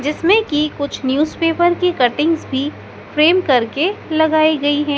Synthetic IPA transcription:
d͡ʒɪsmẽkikʊt͡ʃʰnjuːzpeːpəɾkikɐʈɪ̃ŋɡzbʱi | fɾeːmkɐɾkelɐɡaːiɡɐiɦɛ̃ː

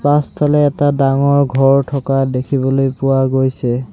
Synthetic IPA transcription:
paspʰalɛːtadaŋɔɹɡʱɔɹtʰɔkadekʰibɔlojpʊwaɡojsɛ

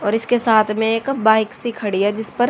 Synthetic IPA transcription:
ɔːɾɪskesaːt̪ʰmẽeːkbaːɪksikʰɐɽijad͡ʒɪspɐɾ

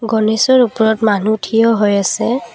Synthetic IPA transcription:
ɡɔnesɔɹupɔɹɔtmanutʰijɔɦojasɛ

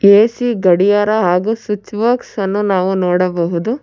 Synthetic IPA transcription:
eːsiɡɐɽijaːɾɐɦaːɡusut͡ʃːʋɐːksɐnːunaːʋunoːɽɐbɐɦud̪u

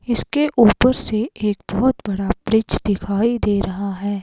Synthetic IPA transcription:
ɪskeʔuːpəɾseeːk̚bɔɦʊt̪bɐɽapɾɪt͡ʃd̪ɪkʰaːid̪eːɾɐɦaɦɛː

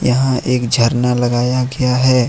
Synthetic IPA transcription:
jɐɦãʔeːkd͡ʒʱɐɾnalɐɡaːjaɡɐjaɦɛː

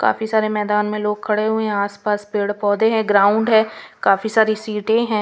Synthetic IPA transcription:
ka̰ːfisaːɾemɛːd̪aːnmẽloːɡ̚kʰɐɽeɦʊeɦɛ̃aːspaːspeːɽpɔːd̪eɦɛ̃ːɡɾaːʊ̃ɳɖɦɛ̃ːkaːfisaːɾisiːʈẽɦɛ̃ː

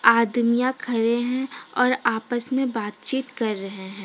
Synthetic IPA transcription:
aːd̪mijãkʰɐɾeɦɛ̃ɔːɾaːpəsmẽbaːt̪̚t͡ʃiːt̪kɐɾːɐɦeɦɛ̃ː

